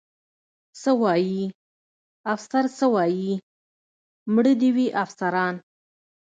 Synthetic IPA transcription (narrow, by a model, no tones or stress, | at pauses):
səwɑji | afsaɾt͡səwɑji | mɽəd̪iwiʔafsaɾɑn